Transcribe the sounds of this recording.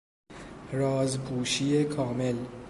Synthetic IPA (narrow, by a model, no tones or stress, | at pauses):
rɒːzbuːʃiːekʰɒːme̞l